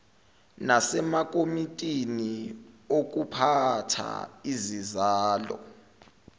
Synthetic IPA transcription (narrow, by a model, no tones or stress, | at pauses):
nasɛmak̬ʼomitʼiniok̬upʰatʰa̰izizaːlɔ̰